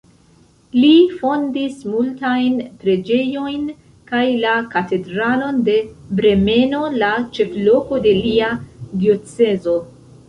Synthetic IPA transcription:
lifo̞ndismultajnpɾe̞d͡ʒe̞jo̞jn | kajlakate̞dɾalo̞nde̞bɾe̞me̞no̞lat͡ʃe̞flo̞ko̞de̞liadio̞t͡se̞zo̞

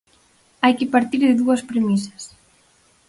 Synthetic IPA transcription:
ajkɪpaɾt̪iɾðɪðuɐspɾemisɐ̥s

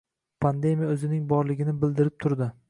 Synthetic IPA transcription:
pʰand̪e̞mijaɵzɪnɪŋbɒɾlɪɡʲɪnɪbɪld̪ɪɾɪp̚t̪ʰʊɾd̪ɪ

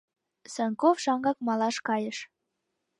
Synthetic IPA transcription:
səŋkofʃɑŋɡɑkmɑlɑʃkɑjəʃ

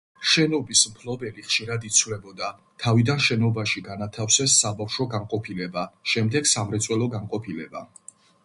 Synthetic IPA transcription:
ʃɛnɔbismpʰlɔbɛliχʃiɾad̪it̪sʰwlɛbɔd̪a | t̪ʰavid̪anʃɛnɔbaʃiɡanat̪ʰafsɛsːabafʃɔɡanqʼɔpʰilɛbaʃɛmd̪ɛɡ̥samɾɛt̪sʼwɛlˠɔɡaŋqʼɔpʰilɛba̰

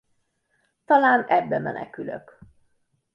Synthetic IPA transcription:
t̪ɒlaːnɛbːɛmɛnɛ̰kylø̰k

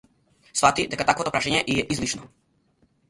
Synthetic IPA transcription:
svat̪id̪ɛkat̪akvot̪opɾaʃaɲɛʔiɛʔizlit͡ʃnɔ

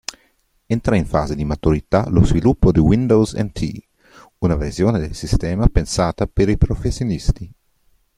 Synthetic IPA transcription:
ent̪ɾaiɱfa̰ːzed̪imat̪uɾit̪alozvilupːod̪iwind̪owsɛ̰nt̪ʰḭ | unaversjoːned̪elsist̪ɛːmapensaːt̪apeɾipɾofesːjonist̪i

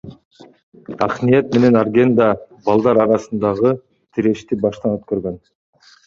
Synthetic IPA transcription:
ɑ̰qnijet̪me̞ne̞nɑrɡʲe̞nd̪ɑ | bɑlˠd̪ɑɾɑɾɑsɯnd̪ɑʁɯ | t̪ʰiɾe̞ʃt̪ibɑʃt̪ɑnøt̪køɾɡøn

